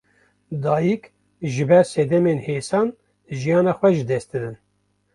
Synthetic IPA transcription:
d̪ɑːjik | ʒɨbɛɾsɛd̪ɛmenheːsɑːn | ʒijɑːnɑːxwɛʒɨd̪ɛst̪̚d̪ɨd̪ɨn

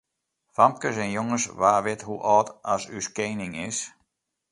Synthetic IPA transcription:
fam̚kəsɛnjoŋəsʋaːʋɪthuʔɔːtɔsyskeːnɪŋɪs

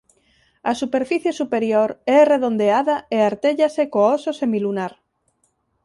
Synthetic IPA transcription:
asupeɾfiθjesupeɾjoɾɛreðond̪eaðaeaɾt̪eʎasekoososemilunaɾ

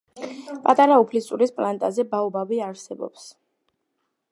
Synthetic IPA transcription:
pʼat̪ʼaɾaupʰlissʼuɾispʼlant̪ʼazɛbaɔbaviaɾsɛbɔ̰ps

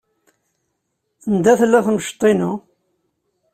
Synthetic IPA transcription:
nd̪æθlːæθməʃt̪ˤːinu

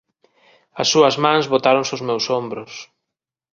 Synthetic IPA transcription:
ɐsːuɐzmãnzβot̪aɾõŋsozmewsombɾʊs

